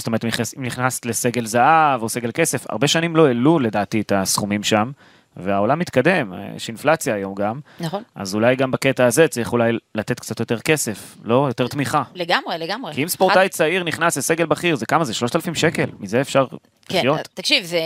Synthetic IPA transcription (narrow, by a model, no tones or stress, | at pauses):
stome̞t̪imnχasimniχnastle̞se̞ɡe̞lzaavo̞se̞ɡe̞lke̞se̞fa̰ʁbe̞ʃanimlo̞elule̞daːtietasχumimʃam | veao̞lamːit̪kade̞m̰ḛʃinflat͡sjaːjo̞mɡamnona̰zulajɡambaketaːze̞t͡seiχulajlate̞t̪kt͡sat̪jo̞te̞ʁke̞se̞flo̞jo̞t̪e̞ʁt̪miχaleɡamʁeleɡamʁekiimspoʁtajt͡saiʁniχnaslese̞ɡe̞lbaχiʁzekamazeʃlo̞ʃt̪alafimʃeke̞lmizeːfʃaʁ | lijo̞tt̪ːakʃivze